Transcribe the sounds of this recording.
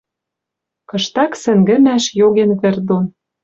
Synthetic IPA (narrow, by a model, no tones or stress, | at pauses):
kɤ̆ʃt̪ɑksɘ̆ŋɡɘ̆mæʃjoɣenβĕrd̪on